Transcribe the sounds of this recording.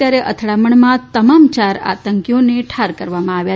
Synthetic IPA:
jaɾeʔə̰t̪ʰɽaməɳmãt̪əmamt͡ʃaɾa̰t̪əŋkjoneʈʰaɾkəɾʋamãaʋja

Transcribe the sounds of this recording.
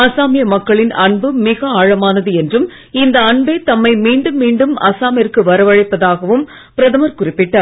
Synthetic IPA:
ɐsaːmɪjɐmɐkːɐɭɪnɐɳbɯmɪɣɐaːɻɐmaːnɐðɯɛndrɯm | ɪnd̪ɐːɳbeːt̪ɐmːɐɪmiːɳɖɯmːiːɳɖɯmɐ̰saːmɪjɐrkɯʋɐɾɐʋɐɻɐɪpːɐðaːɣɐʋɯm | pɪɾɐðɐmɐɾkʊrɪpːɪʈːɐːɾ

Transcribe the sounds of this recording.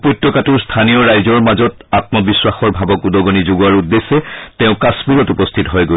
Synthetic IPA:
pot̪ːɔkatuɹstʰanijɔɹajzɔɹmazɔt | at̚mɔbiswaxɔɹbʱabɔkudɔɡonizuɡaɹudːesːɛtɛʊ̃kasmiɹɔtupɔstʰitɔɦɔjɡo

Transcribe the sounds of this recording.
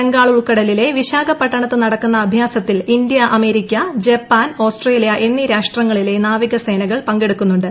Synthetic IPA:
eŋɡaːɭuɭkɐɽɐlile̞ʋiɕaːɡɐpːɐʈːɐɳɐt̪ːɨnɐɽɐkːunːɐːbʱjaːsɐt̪ːilind̪ijɐʔɐme̞ːɾikʲːɐd͡ʑepːaːno̞ːsʈre̞ːlijɐʔe̞nːiɾaːʂʈrɐŋːɐɭile̞naːʋiɣɐse̞ːnɐɣɐɭpɐŋɡe̞ɽukːunːuɳɖɨ

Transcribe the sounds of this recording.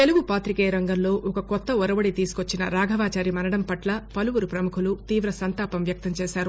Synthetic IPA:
t̪eluɡupaːt̪ɾikeːɾɐŋɡɐmlo̞ːʔɔkɐkɔt̪ːɐɔɾɐbɐɽit̪iːsu̥kot͡ʃːinɐ̰ɾaːɡʱɐʋaːt͡ʃaːɾimɐnɐɽɐmpɐʈlɐpɐluʋuɾupɾɐmukʰulut̪iːʋɾɐsɐnt̪aːpɐmʋjɐk̚t̪ɐmt͡ʃeːʃaːɾu

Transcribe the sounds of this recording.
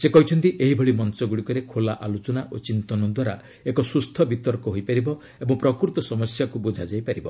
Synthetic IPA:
sekɔɦit͡ʃʰɔnt̪iʔeɦibʱɔɭimɔnt͡ʃɔɡuɽikɔɾekʰolaʔalot͡ʃɔnaʔot͡ʃint̪ɔnɔd̪waɾa̰ | ekɔsust̪ʰɔbit̪ɔɾkɔɦojpaɾibɔ | ebɔŋpɾɔkɾut̪ɔsɔmɔsjakubud͡ʒʱad͡ʒajpaɾibɔ

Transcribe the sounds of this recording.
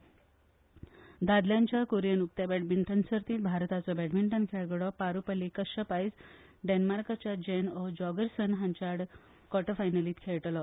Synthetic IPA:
d̪ad̪ljãɲt͡ɕjakoɾijənuk̚t̪jabɛʈmiɳʈənsəɾt̪iːt̪̚bʱaɾt̪at͡sɔbɛʈmiɳʈənkʰeɡɽɔpaɾupəlikəɕəpajs | ɖenmaɾkat͡ɕjad͡ʑenɔd͡ʑɔɡəɾsənɦãɲt͡ɕaɽ | kɔʈəfajnəliːt̪kʰeɭʈlɔ

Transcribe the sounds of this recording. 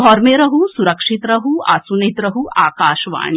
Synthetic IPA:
ɔːɾmeɾɐɦusuɾɐkʂit̪ɾɐɦua̰ːsunit̪ɾɐɦuʔaːkaːʃʋa̰ːɳ̃i

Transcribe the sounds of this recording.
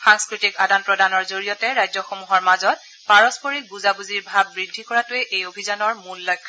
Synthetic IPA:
xaŋskɹitikadanpɹɔdanɔɹzoɹijɔtɛɹajzɔxomuɦɔɹmazɔt̚ | paɹɔspoɹik̚buzabuziɹbʱab̚ːɹidʱːikɔɹatʊɛʔejobʱizanɔɹmulːɔjkʰa

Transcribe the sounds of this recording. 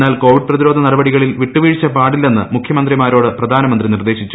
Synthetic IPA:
nːaːlko̞ːʋiɖ̚prɐðiɾo̞ːd̪ʱɐnɐrɐbɐɽiɣɐɭilʋiʈːuʋiːɻt͡ɕːɐpaːɽilːe̞nːɨmukʰjɐmɐnd̪rimaːɾo̞ːɽɨprɐd̪ʱaːnɐmɐnd̪rinird̪e̞ːɕit͡ɕːu

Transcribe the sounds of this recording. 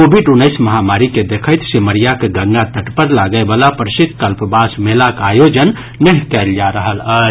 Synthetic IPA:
kobʱiɖunəɪsməɦamaɾiked̪ekʰəjt̪seməɾijakeɡəɡnat̪əʈpəɾlaɡəebalapəɾsit̪̚kəlpbasmelakajod͡ʒənː | əɦkɛld͡ʒaɾəɦələ

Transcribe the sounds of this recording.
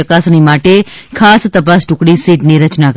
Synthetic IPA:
əkasnimaʈekʰast̪əpasʈũkɽisiʈniɾət͡ʃnak

